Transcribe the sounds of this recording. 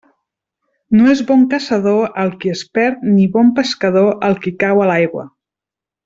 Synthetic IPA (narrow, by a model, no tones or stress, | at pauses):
noezβɔŋkasəðoəlˠkiəspɛɾt̪niβɔmpəskəðoʔəlˠkikawəlajɣwə̰